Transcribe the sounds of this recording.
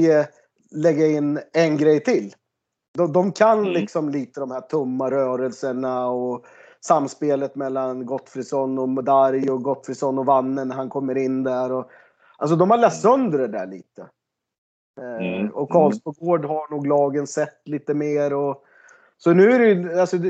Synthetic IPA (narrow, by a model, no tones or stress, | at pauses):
ə | lɛɡːaɪnːɛnɡɾɛjt̪ʰɪlː | d̪ɔd̪ɔmkʰanlɪksɔmliːt̪əd̪ɔmhæʈʰɵmːaɾœːɾəlsəɳaɔ | samːspeːlət̪mɛlːanɡɔt̪fɾɪsɔnːɔmd̪aɾjɔɡɔt̪fɾɪsɔnːɔvanːənːɾhankʰɔmːəɾɪnːd̪æɾɔ | ʔals̬ɔd̪ɔmhaɭɛt̪t̪sœnd̪ɾəɖ̪æ̰ɭḭːt̪ə | ɔkʰɑːlspɔɡoːɖɦaɳuːɡlɑːɡənsɛt̪ːliːt̪əmeːɾɔ | sɔnʉ̟ːæɾɛjalsɔ